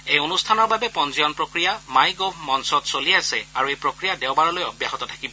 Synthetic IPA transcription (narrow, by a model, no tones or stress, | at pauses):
ejonustʰanɔɹbabɛpɔnzijɔnpɹokɹijamajɡobʱmɔnsɔtsoliasɛaɹuejpɹokɹijadɛʊbaɹɔlojɔbjaɦɔtɔtʰakibɔ